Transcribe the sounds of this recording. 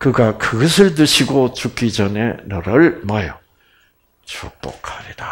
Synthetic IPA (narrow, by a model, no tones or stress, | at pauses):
kɯɡakɯɡʌsʰɯɭt̬ɯɕʰiɡot͡ɕuk͈id͡ʑʌne̞nʌɾʌɭmajʌ | t͡ɕuk̚p͈ʌ̰kʰhaɾida